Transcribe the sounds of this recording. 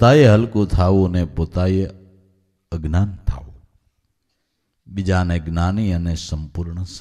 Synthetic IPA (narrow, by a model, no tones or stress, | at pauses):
t̪aːjeɦəlkot̪ʰaːʋonepoːt̪aːje | əɡnaːnt̪ʰa̰ːu | bɪd͡ʒaːneɡnaːniːənesəmpʊɾɳəs